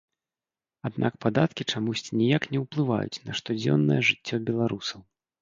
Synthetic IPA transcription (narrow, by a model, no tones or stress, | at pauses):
ad̪nʔakpad̪at̪kʲit͡ʂamusʲt͡sʲinʲijaknʲɛwplˠɨva̰jṵt͡sʲnɐʂt̪ɔd͡zʲɔ̰nːɐ̰jɛʐɨt͡sʲːɔbʲɛlˠaɾusɐw